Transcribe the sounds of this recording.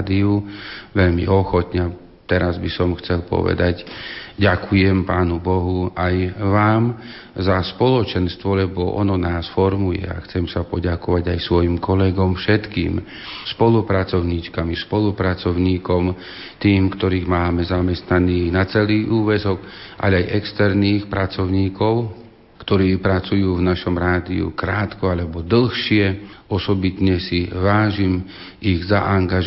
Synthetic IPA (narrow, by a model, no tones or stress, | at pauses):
d̪iuʋɛʎmḭʔɔxɔt̪ɲɛa | t̪ɛɾazbisɔmxt͡sɛlpɔ̰ʋɛ̰d̪aɟɟakʰujɛmpaːnubɔɦuajʋaːm | zaspɔlɔt͡ʃɛnst̪ʋɔlɛbɔʔɔ̰nɔnaːsfɔɾmujɛ̰a̰xt͡sɛmsapɔɟakɔʋaɟajsʋɔjimkɔlɛɡɔmfʃɛt̪kḭːm | spɔlupɾat͡sɔʊɲit͡ʃkamispɔlupɾat͡sɔʊɲiːkɔm | t̪iːmkt̪ɔɾiːɣmaːmɛzamɛst̪naniːɣnat͡sɛliːʔuːʋɛzɔk | ʔa̰lɛajʔɛkst̪ɛɾniːxpɾat͡sɔʊɲiːkɔʊ | kt̪ɔɾiːpɾat͡sujuːvnaʃɔmɾaːd̪iṵkɾaːt̪kɔalɛbɔd̪l̩ˠxʃɪɛɔsɔbit̪ɲɛsiʋaːʒim | iɣzaʔaŋɡaʒ